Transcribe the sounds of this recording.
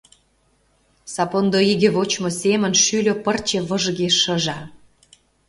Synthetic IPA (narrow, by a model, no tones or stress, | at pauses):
sɑpond̪oiɣĕβot͡ɕmosemə̆nʃylʲø̆pərt͡ɕĕβə̆ʒɣeʃːə̆ʒɑ